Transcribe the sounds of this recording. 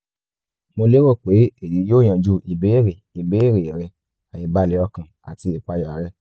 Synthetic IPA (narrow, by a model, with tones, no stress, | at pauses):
mo˧le˦o˦˨k͡pe˨˦e˦˨ji˨˦joː˦˨j̃ã˨d͡ʒu˧i˨be˨˦e˦˨ɾe˨i˨be˨˦e˦˨ɾe˨ɾɛ˧ | a˨jĩ˨ba˧lɛ˨˦ɔ˧kã˨a̰˨ti˧i˨k͡pa˧jɔ˨a˨˦ɾɛ˦